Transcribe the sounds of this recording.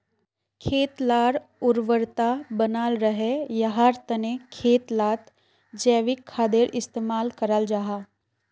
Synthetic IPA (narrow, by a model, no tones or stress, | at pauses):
kʰeːt̪laːɾʊɾʋəɾt̪abənaːlɾəɦejɐɦaːɾt̪ənekʰeːt̪laːt̪ | d͡ʒɛːʋɪkʰːaːd̪eɾɪst̪eːmaːlkəɾəld͡ʒaɦaː